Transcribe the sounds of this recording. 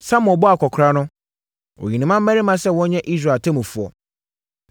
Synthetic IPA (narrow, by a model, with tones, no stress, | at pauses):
sã˦m˨ɔ˨bɔ˦a˨kʰɔ˨kʰɾa˦nʊ̃˦ | o̰˨jĩ˨nĩ˨mã˦m̩ː˦æ˦i˦mã˦sɛ˦˨wɔ̃˦ɲɛ̃˦ʔi˦s̬ɾa˨tʰɛ˦mũ˨fu˨ɔ̰˨